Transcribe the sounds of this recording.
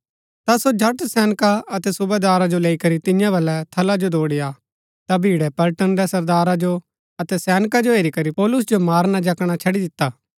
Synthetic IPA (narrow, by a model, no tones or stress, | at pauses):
t̪asod͡ʒʱɐʈsɛːnkaɐt̪ɛsʊbed̪aːɾad͡ʒoleːikɐɾit̪ɪjãbɐlːɛt̪ʰɐlad͡ʒod̪oːɽɪja | t̪abʱiːɽɛpɐlʈənɾɛsɐɾd̪aːɾad͡ʒo | ɐt̪ɛsɛːnkad͡ʒoɦeːɾikɐɾipɔːlʊs̬d͡ʒomaːɾnad͡ʒɐkɽ̃at͡ʃʰɐɽid̪ɪt̪ːaː